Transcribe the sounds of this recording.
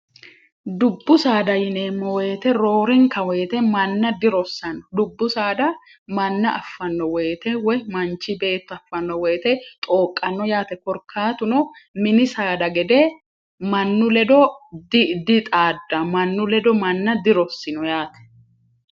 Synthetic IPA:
d̪ʊbːʊsaːd̪ɐjɪneːmːɔwɛːt̪ɛɾo̞ːɾɛŋkɐwɛjt̪ɛmɐnːɐd̪ɪɾɔsːɐnɔd̪ʊbːʊsaːd̪ɐ | mɐnːɐʔɐfːɐnːɔwɛjt̪ɛwɛmɐnt͡ʃːɪbe̞ːt̪ːʊɐfːɐnːɔwɛjːt̪ɛt̪ʼoːkʼːɐnːɔjaːt̪ɛkɔɾkʰːaːt̪ʊnɔmɪnɪsaːd̪ɐɡɛd̪ɛ | mɐnːʊlɛd̪ɔdd̪ɪt̪ʼaːd̪ːɐmɐnːʊlɛd̪ɔmɐnːɐd̪ɪɾɔsːɪnɔjaːt̪ɛ̥

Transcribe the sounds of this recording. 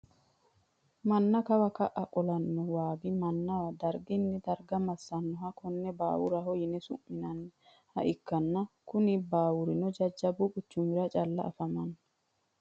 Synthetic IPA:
mɐnːɐkɐwɐkɐʔɐkʼɔlɐnːɔwaːɡɪmɐnːɐɐd̪ɐɾɡɪnːɪd̪ɐɾɡɐmɐsːɐnːɔɦɐkɔnːɛba̰ːwʊɾɐɦɔjɪnɛsʊ̰ʔmːɪnɐnː | hɐ̰ʔɪkːɐnːɐkʊnɪbaːwʊɾɪnɔd͡ʒɐd͡ʒːɐbʊkʼʊt͡ʃːʊmɪɾɐt͡ʃʼɐlːɐ̰ʔɐ̰fɐmɐnːɐ

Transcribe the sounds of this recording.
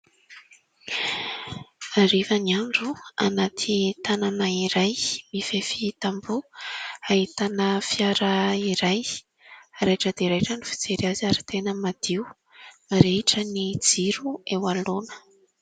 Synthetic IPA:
aɾivəniaɳɖ͡ʐua̰nat̪ʰit̪ananaiɾajmifefit̪ambuaɦit̪anəfjaɾəiɾaj | aɾajʈ͡ʂəd̪eɾejʈ͡ʂənifi̥d͡zeɾiaziaɾi̥t̪enəmad̪̥iw | maɾeʈ͡ʂənid͡ziɾuewalonə̥

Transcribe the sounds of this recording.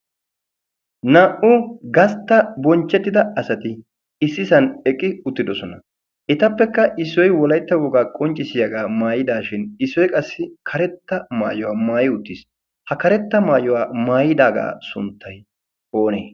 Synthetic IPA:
nɐʔʊɡɐst̪ːɐbɔnt͡ʃːɛt̪ːɪd̪ɐɐsɐt̪ɪ | ɪsːɪsɐnɛkʼːɪʊt̪ːɪd̪ɔsɔnɐ | ʔɪt̪ɐpːɛkːɐʔɪsːɔjwɔlɐjt̪ːɐwɔɡaːkʼɔnt͡ʃʼːɪsɪjɐɡaːmaːjɪd̪aːʃɪnɪsːɔjkʼɐsːɪkʰɐɾɛt̪ːɐma̰ːjɔwaːmaːjɪʊt̪ːiːs | hɐkɐɾɛt̪ːɐmaːjɔwaːmaːjɪd̪aːɡa̰ːsʊ̰nt̪ʰːɐj | o̞ːneː

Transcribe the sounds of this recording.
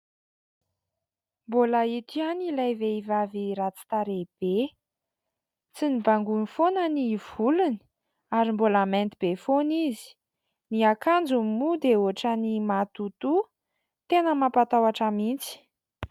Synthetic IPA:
mboləit̪ianilajveivaviɾat͡si̥t̪aɾeb̥e | t͡sinibaŋɡunifonəniv̥uluni̥ | aɾimbolamɛnt̪ib̥efonizi̥ | niakand͡zummud̪euaʈ͡ʂənimat̪ut̪u | t̪enəmapat̪awaʈ͡ʂamint͡si̥

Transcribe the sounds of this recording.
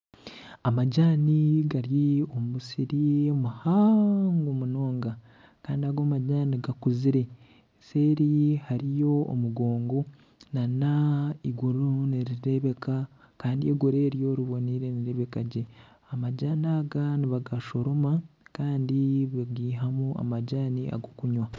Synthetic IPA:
amaɟaːniɡaɾjiomusiɾiomuhaŋɡomuno̞ːŋɡa | kaːndiaɡomaɟaːniɡakuziɾe̞ | se̞ːɾihaɾijo̞̰ːmuɡo̞ːŋɡo̞ | nanaiɡuɾuniɾiɾe̞βe̞ka | kaːndieɡoɾe̞ːɾjo̞ɾiβo̞niɾe̞niɾe̞βe̞kaɟe | amaɟaːnaːɡaniβaɡaʃo̞ɾomakaːndiβaɡiːɦamua̰maɟaːniʔa̰ɡokuɲwa

